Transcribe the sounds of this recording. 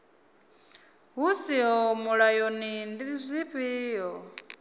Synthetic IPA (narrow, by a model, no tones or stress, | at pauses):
ɦusiɦɔmuɺajonindizʷiɸiːɦɔ